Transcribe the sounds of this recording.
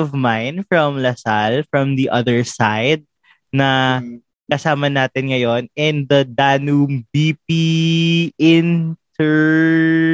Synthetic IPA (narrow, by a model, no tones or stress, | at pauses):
ɔvmajnfɹɐmlɐsalfɹɐ̃md̪iʔɐðɛɹsajd̪̚ | nɐ | kɐsaːmɐnaːt̪ɪnŋɐjo̞nɛnd̪ɐd̪aːnumbip̚i | ɪnt̪ɛɹ